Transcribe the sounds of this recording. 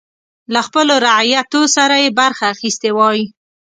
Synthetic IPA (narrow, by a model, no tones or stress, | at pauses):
laxpəloɾaʕjat̪osaɾajebaɾxaːxist̪ewɑji